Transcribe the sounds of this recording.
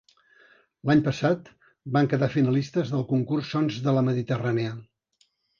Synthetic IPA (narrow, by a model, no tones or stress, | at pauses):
laɲpəsat̪ | baŋkəðafinəlist̪əzðəlˠkuŋkursonzðələməðit̪əraneə